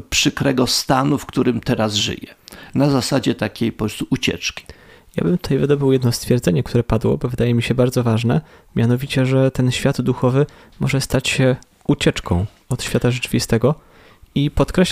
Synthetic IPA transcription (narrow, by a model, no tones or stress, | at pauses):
pʂɘkɾɛɡɔst̪anufkt̪uɾɘmt̪ɛɾazʐɘ̰jɛnazasad͡ʑɛt̪akʲejpɔst̪uʔut͡ɕɛ̰t͡ʂkʲi̥ | ja̰bɘmt̪u̥t̪ajvɘd̪ɔbɘwjɛd̪nɔst̪fʲjɛɾd̪zɛɲɛk̚t̪ʰuɾɛpad̪wɔ̰bɔvɘd̪ajɛmʲiɕɛbaɾd̪zɔvaʐnɛ̰ | mʲjanɔvʲit͡ɕɛʐɛt̪ɛnɕfʲjad̪d̪uxɔvɘ | mɔʐɛst̪at͡ɕɕɛ | ut͡ɕɛt͡ʂkɔ̃w̃ | ɔt̪ɕfʲjat̪aʐɛt͡ʂɘvʲist̪ɛɡɔ | ipɔt̪kɾɛɕ